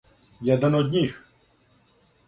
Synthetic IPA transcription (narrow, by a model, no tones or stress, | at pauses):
jad̪ɛnɔd̪ʲnʲix